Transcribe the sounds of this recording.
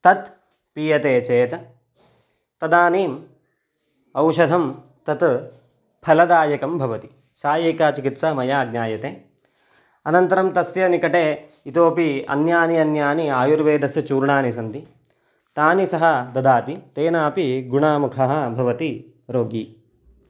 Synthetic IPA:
t̪ɐt̪ | piːjɐt̪eːt͡ʃeːt̪ɐ | t̪ɐd̪aːniːm | ɐwʃɐd̪ʱɐm | t̪ɐt̪ | pʰɐlɐd̪aːjɐkɐmbʱɐʋɐt̪i | saːjeːkaːt͡ʃikit̪samɐjaːɡɲaːjɐt̪eː | ɐnɐnt̪ɐɾɐmt̪ɐsjɐnikɐʈeː | it̪oːpiɐ̰njaːniɐnjaːniaːjuɾʋeːd̪ʱɐst͡ʃuːɾɳaːnisɐnt̪i | t̪aːnisɐɦɐ̆d̪ɐd̪aːt̪it̪eːnaːpiɡuɳaːmukʰɐɦɐ̆bʱɐʋɐt̪i | ɾoːɡi

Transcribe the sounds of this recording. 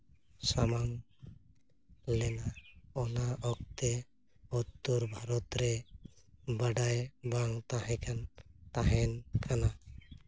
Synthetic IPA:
samam | lɛnaɔnaʔɔkt̪ɛ | ɔt̪ːuɾbʱaɾɔt̪ɾɛ | baɖajbaŋt̪aɦɛ̃kant̪aɦɛnkʰana

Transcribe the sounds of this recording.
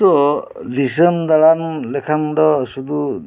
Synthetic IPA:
tɔdis̬əmd̪aɭanlɛkʰamdɔsud̪u

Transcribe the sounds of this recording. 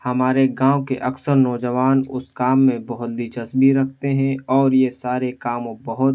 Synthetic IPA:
hɐmaːɾeɡãːokḛʔɐksəɾnɔːd͡ʒəʋaːnʊ̰skaːmːẽbɐɦʊt̪̚d̪iːt͡ʃəsbʱiɾɐkʰt̪eɦɛ̃ɔːɾjesaːɾekaːmobɐɦʊt̪

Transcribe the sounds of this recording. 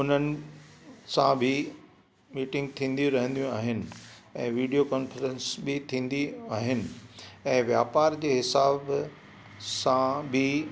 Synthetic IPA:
ʊn̤ənɪ̆ | sãbʱɪ | miːʈɪ̃ŋɡ̚t̪ʰĩːn̆d̪jũɾɐɦə̃nd̪ijũaːɦɪnɪ̆ɛ̃ːʋiːɖijokɔːnfɾə̃nsbɪt̪ʰĩːnd̪iaːɦɪnɪ̆ɛ̃ːʋjaːpaːɾd͡ʑeːɦɪsaːb | sãbʱɪ

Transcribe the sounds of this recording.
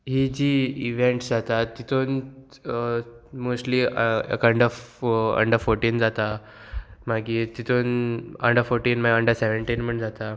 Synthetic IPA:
ɦid͡ʑiːiʋẽɳʈd͡zat̪at̪ːit̪ʰon | mosʈliḛkəɳɖəfə̰ɳɖəɾfoɾʈiːnd͡zat̪a | maɡiːt̪it̪ʰonə̰ɳɖəɾfoɾʈiːnmaɡəɳɖəɾsɛʋeɳʈiːnm̤əɳd͡zat̪a

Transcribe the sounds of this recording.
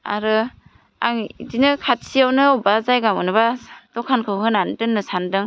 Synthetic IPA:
a̰ɾɯ | a̰ŋidinɯkʰat̚sijawnɯwbazajɡamɯ̰nɯbadɔkʰankʰɯwɦɯnantɯnːɯsandɯŋ

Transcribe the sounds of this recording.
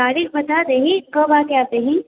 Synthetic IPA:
aːɾiːkbɐt̪ad̪eɦĩkɐbakaːd̪eɦĩ

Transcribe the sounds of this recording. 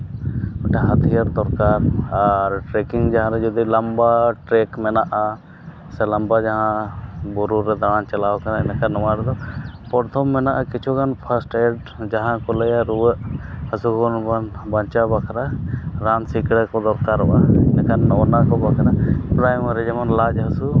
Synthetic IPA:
ɔʈaɦət̪ʰijaɾd̪ɔɾkaɾaɾʈɾɛkiŋɡd͡ʒaɦãɾɛd͡ʒɔd̪ilambaʈɾɛkmɛnaʔa | sɛlambad͡ʒaɦãbuɾuɾɛd̪aant͡ʃəlawkanaɛnɛkanɔmaɾd̪ɔpɔɾt̪ʰɔmːɛnaʔakit͡ʃʰukʰanpʰasʈɛɖ | d͡ʒaɦãkɔlɛjaɾuwəʔhəsukɔnbanbaɲt͡ʃabakʰaɾaɾansikɽɛkɔd̪ɔɾkaɾɔʔanɛkanɔwnakɔbakʰɾapɾajmaɾɛd͡ʒɛmanlad͡ʒɦəsu

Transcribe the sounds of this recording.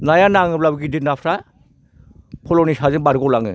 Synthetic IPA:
najanaŋɯblabɡidinapʰɾa | pʰɔlɔnisazɯnbaɾɡɔlaŋɯ̰

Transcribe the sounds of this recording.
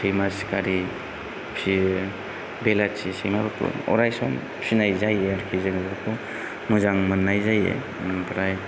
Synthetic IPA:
sejmaskaɾi | pʰi | belat͡ʃisejmabakʰṵɔ̰ɾajsɔ̰m | sʰinajzajeaɾkʰizaŋbɯkʰu | muzaŋmɯnːajzajḛ | manpʰɾaj

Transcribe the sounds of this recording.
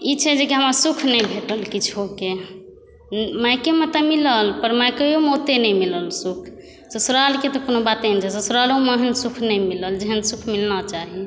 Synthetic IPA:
it͡ʃʰɛd͡ʒekiɦəmasukʰnəjbʱeʈəlkit͡ʃʰoke | majkemət̪əmiləlpəɾmajkejomot̪enɛjmiləlsukʰ | səsɾalket̪ɔkonobat̪end͡ʒɛsesɾaloməɦənsukʰnəjmiləld͡ʒeɦənsukʰmilnat͡ʃaɦi

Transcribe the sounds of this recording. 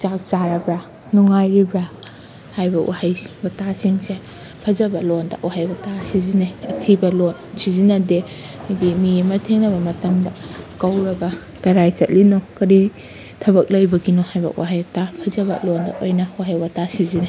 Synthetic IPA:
t͡ʃak̚t͡ʃaɾɐbɾa | nuŋajɾibɾa | hajbɐwʔahajbɐtasiŋse | pʰɐzɐbɐlondɐ̰ʔwahajwɐtasizineɐtʰibɐlonsizinɐde | adimiemɐtʰeŋnɐbɐmɐtɐmdɐkɐwɾɐɡɐ | kɐɾajt͡ʃɐt̚linɔkɐɾi | tʰɐβɐk̚lɐjbɐɡinohajbɐ̰waɦajbɐtapʰɐzɐbɐ̰londɐ̰ʔojnɐwaɦajwɐtasizine

